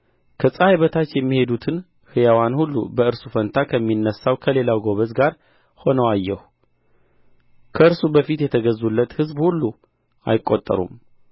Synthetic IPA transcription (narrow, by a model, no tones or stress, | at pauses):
kʰəsʼəajβət̪ʰat͡ʃːjɛmːihe̞d̪ut̪ʰɨn | hɨjawanhulːṵbəɨɾsufənt̪ʰakʰəmːinːəsːawkʰəle̞lawɡo̞βəzɡaɾ | ho̞nəwajːɛhu | kʰəɨɾsubəfit̪jɛt̪ʰəɡəzːulːət̪hɨzbhulːu | ʔa̰jɪkʼːo̞t̪ʼːə̰ɾṵm